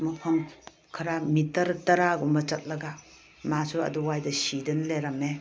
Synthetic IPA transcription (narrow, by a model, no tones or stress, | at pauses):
mupʰɐm | kʰɐɾamitɐɾtɐɾaɡumbɐt͡ʃɐt̚lɐɡa | masuɐ̰duwajdɐsidɯnleɾɐme